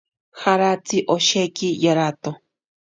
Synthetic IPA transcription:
haɾat͡siʔoʃekijaɾat̪o

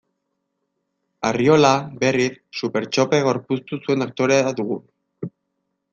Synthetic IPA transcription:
ario̞labe̞rissupe̞ɾt͡ʃo̞peɣ̞o̞ɾpust̪usue̞nak̚t̪o̞ɾeaad̪uɣ̞u

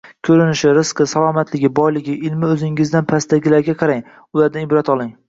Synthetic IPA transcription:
kʲʰɵɾɪnɪʃɪɾɪsqɨsalˠɒmat̪lɪɡʲɪbɒjlɪɡʲɪʔɪlmɪɵzɪŋɪzd̪anpʰast̪aɡʲɪlaɾɡʲaqʰɑɾaŋ | ʊlaɾd̪anɪbɾat̪ɒlˠɪŋ

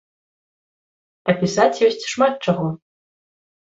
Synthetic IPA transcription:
apʲisat͡sʰʲjosʲtʲʂmat̪̚ʈ͡ʂʰaʁɔ

